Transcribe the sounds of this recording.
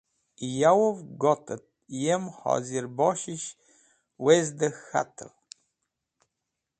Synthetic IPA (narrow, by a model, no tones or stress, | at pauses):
jawovɡɔt̪ət̪̚ | jemhɔ̰ziɾbɔʃiʃ | wezd̪əxa̰t̪ʰə̰l